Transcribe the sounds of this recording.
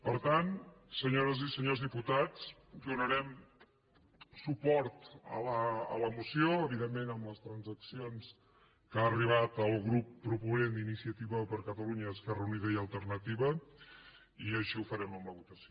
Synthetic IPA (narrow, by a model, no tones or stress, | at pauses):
pəɾt̪ansəɲoɾəzisəɲozðiput̪at͡sd̪unəɾɛm | supɔɾt̪ə̰ləə̰ləmusioəβiðemːenəmləst̪ɾənzəksions | kaːriβ̞at̪əlˠɣɾupːɾupunend̪inisiət̪iβəpəɾkət̪əluɲəːskarəuniðəjəlˠt̪əɾnət̪iβə | iəʃiufəɾɛməmləβut̪əso